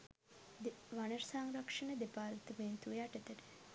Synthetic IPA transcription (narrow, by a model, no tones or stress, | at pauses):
d̪eʋanəɾsaːŋɾɐkʂɐnəd̪epaːɾt̪əmeːnt̪ujaʈɐt̪əɾ